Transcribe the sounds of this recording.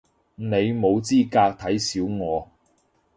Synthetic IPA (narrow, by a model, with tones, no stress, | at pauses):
ne˨˧jmo˨˧wt͡siː˥kaː˧k̚t̪ʰɐ˨˥jsiː˨˥wŋɔː˨˧